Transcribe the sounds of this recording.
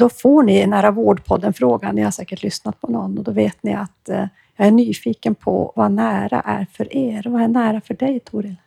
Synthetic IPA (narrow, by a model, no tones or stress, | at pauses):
d̪ɔfoːɳɪnæːɾavoːɖpʰɔd̪ːənfɾoːɡanːɪhaɾsɛːkəʈʰlʏsnat̪̚pʰɔnɔnːɔd̪ɔveːt̪nɪat̪ | jɑːɡæɳyːfiːkənpʰɔ̰vanæːɾa̰ʔæ̰ɾfœɾʔeːɾvaæɳæːɾafœɖɛjt̪ʰuːɾɪl